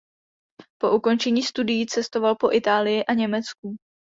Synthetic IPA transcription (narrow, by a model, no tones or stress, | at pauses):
po̞ʔuko̞nt͡ʃɛɲiːst̪udɪjit͡sɛst̪o̞valpo̞ʔɪt̪aːlɪjɪʔaɲɛmɛt͡sk̚u